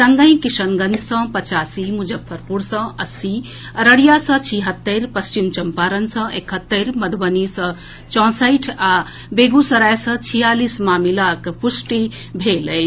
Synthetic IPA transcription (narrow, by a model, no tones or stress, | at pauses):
səŋɡə̃ĩkisənɡənd͡ʒʰʱsə̃pət͡ʃaːsimud͡ʒəbʰəɾpuɽsə̃əsi | ɾəɽijasə̃t͡ʃʰiɦət̪ːəɾpəst͡ʃimt͡ʃɐmpaɾənsə̃ʔekɦət̪ːəɾməd̪ʱbənisə̃ | t͡ʃɔ̃ːsəjʈʰa | beɡusəɾajsə̃t͡ʃʰijalismaːmilakpusʈi | bʱeləj